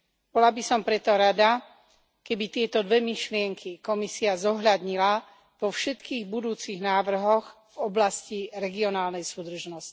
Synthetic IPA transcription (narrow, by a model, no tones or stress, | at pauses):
b̥ɔlabisɔmpɾɛt̪ɔɾad̪a | kɛbit̪ɪɛt̪ɔd̪ʋɛmiʃlɪɛŋkʰikɔmisiazɔɦʎad̪ɲila | ʋɔfʃɛt̪kiːɣbud̪uːt͡siɣnaːʋr̩ɦɔɣ | vɔblasciɾɛɡiɔnaːlnɛjsuːd̪r̩ʒnɔsci̥